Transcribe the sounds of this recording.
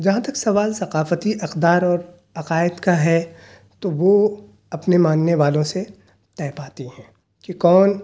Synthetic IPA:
d͡ʒɐɦãt̪ɐksɐʋaːlsɐqaːfət̪iʔɐqd̪aːɾɔːɾ | ɐqaːɪd̪kaɦɛ | t̪oʋo | ɐpnemãːnːeʋaːlõse | t̪ɛːpaːt̪iɦɛ̃ː | kikɔːn

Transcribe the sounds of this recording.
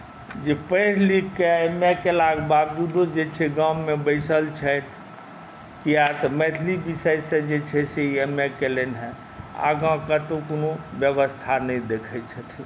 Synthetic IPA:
d͡ʒepəɪɾlikːeemɛkelaɡbad̪ud̪od͡ʒet͡ʃʰɛɡãmebəɪsəlt͡ʃʰət̪ʰ | kiat̪mɛt̪ʰlibisəjsə̃d͡ʒet͡ʃʰɛseiemekelenɦɛ | a̰ɡãkət̪okonobjəβəst̪ʰanəjd̪ekʰɛt͡ʃʰɛt̪ʰi

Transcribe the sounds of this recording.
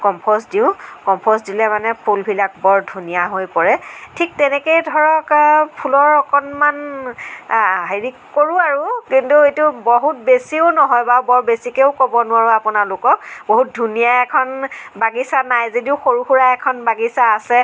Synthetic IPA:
kɔmpʰɔs̬diʊ̃kɔmpʰɔs̬dilɛmanɛpʰulbʱilak̚bɔɹdʱunijaɦojpɔɹɛtʰik̚tɛnɛkejdʱɔɹɔkpʰulɔɹɔkɔnman | ɦeɹikkːoɹʊaɹukintuejtʊboɦut̚besiʊnɔɦɔjbabɔɹbesikeʊkɔbɔnʊwaɹʊapunalʊkɔk̚boɦut̚dʱunijaɛkʰɔnbaɡisanajzediʊxoɹuxuɹaɛkʰɔnbaɡisaːsɛ

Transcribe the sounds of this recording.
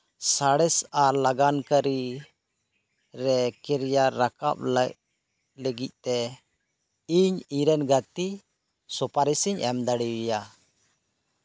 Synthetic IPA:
saɽɛsalaɡankəɾi | ɾɛkɛɾjaːaka̰p̚l | ləɡic̪̚ˀt̪ɛ | iɲiɾɛnɡat̪i | sɔpaɾisiɲʔɛmd̪aɽiwija

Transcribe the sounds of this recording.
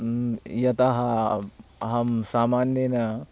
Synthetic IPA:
jɐt̪ɐɦɐ | ɦɐmsaːmaːnjenɐ

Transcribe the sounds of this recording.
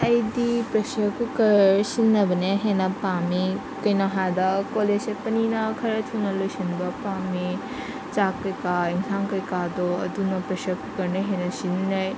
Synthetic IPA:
ɐjdipɾɐsjakukɐɾsinːɐbɐneɦenɐpami | kɐjnɔɦad̪ɐkoleepɐninɐkʰɐɾɐt̪ʰunɐlojsɐnbɐpami | t͡ʃakːɐjkaiŋsʰaŋkɐjkad̪oɐ̰d̪unɐpɾɐsakukɐɾneɦenɐsinnaj

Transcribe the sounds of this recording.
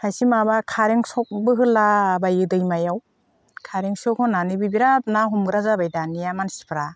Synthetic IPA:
hajsimabakʰaɾeŋsɔk̚bɯɦɯlabajɯdɯjmajaw | kʰaɾeŋsɔkhɔnanɯbɯbiɾap̚naɦumɡɯɾazabajdanijamansi̥pʰɾa

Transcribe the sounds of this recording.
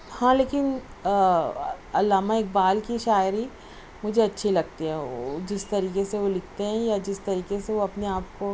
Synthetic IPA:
hãleːkɪn | ɐlːaːmaeːk̚baːlkiʃaːjɾi | mʊd͡ʒʱeɐtːʃʰilɐɡ̚t̪eɦɛ̃d͡ʒɪst̪ɐɾiːkeseʋolɪk̚ʰt̪eɦɛ̃jad͡ʒɪst̪ɐɾiːkeseʋoɐpneaːp̚ko

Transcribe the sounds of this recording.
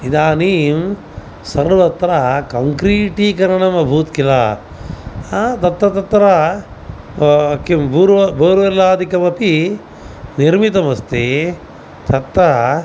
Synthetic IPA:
id̪aːniːm | sɐɾʋɐt̪ɾakɐŋkɾiːʈiːkɐɾɐɳɐmɐbʱuːt̪kilaː | t̪ɐt̪ːɐt̪ɐt̪ːɾa | kimbuɾbɐːɾuʋɐlaːd̪ʱikɐmɐpi | niɾmit̪ɐmɐst̪e | t̪ɐt̪ːɐ

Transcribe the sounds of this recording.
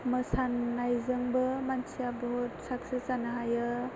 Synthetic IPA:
mɯsanːajzɯŋbɯmansijabɔɦutsaksisanɯɦajɯ

